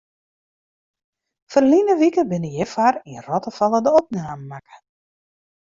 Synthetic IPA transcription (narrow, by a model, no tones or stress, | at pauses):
fərlinəʋikəbɪnəjɛfarinrɔtəfɔlˠədəɔp̚naːməːakə̥